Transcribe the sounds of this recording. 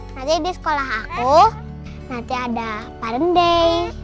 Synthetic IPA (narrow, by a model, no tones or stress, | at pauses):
nat̪ibisə̥kolaɦaku | nant̪iadapaɾəndɛj